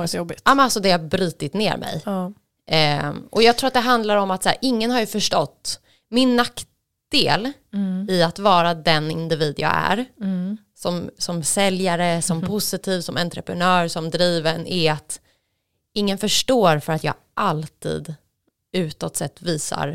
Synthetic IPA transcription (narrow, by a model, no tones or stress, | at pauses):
sɔjɔbɪt̪ʔmɛnalsɔd̪ɛhaɾbɾyːt̪ɪt̪neːɾmɛ̰j | ʔɔjɑɡt̪ʰɾuːɾat̪̚d̪ɛɦand̪laɾɔmat̪sæ̰ːɾʔɪŋːənhaɾjɵfœʂʈɔt̪ː | mɪnːak | d̪̥eːlɪat̪vɑːɾad̪ɛnɪ̰nd̪ɪviːd̪jɑ̰ːæ̰ɾ | sɔmsɔmsɛljaɾəsɔmpʰʊsɪt̪ʰiːvsɔmɛnt̪ɾə̰pɾɛnœːɾsɔmd̪ɾiːvənɪat̪ | ɪŋːənfœʂʈoːɾfœɾat̪jɑ̰ː | ʔalt̪ʰḭːd̪ | ʉ̟ːt̪ɔt̪sɛt̪ːviːsa̰ɾ